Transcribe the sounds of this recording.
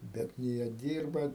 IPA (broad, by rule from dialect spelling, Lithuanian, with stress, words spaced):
ˈbʲɛt nʲeː ˈjiɛ ˈdʲiːrbɐ